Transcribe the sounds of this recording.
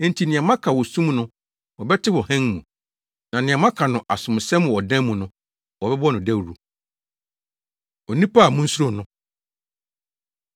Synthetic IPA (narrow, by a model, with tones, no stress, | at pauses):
n̩˦tʰi˨nɪ̃˨ã˨mã˦kʰa˨wɔ˨sũ˦mnʊ̃˦ | wɔ˨bɛ˦tʰɪ˦wɔ˨hɛ̃˦n˦mũ˨ | nã˨nɪ̃˨ã˨mã˦kʰa˨nʊ̃˨ʔa˨sʊ̃˨m˨sɛ̃˦mʊ̃˨wɔ˨dɛ̃˦mːũ˨nʊ̃˦ | wɔ˨bɛ˦bɔ˦nʊ̃˨dæ˦˨ɾu˨ | ɔ˨nĩ˦pʰa˦a˨mũ˦n̩˦su˦ɾo˦˨nʊ̃˦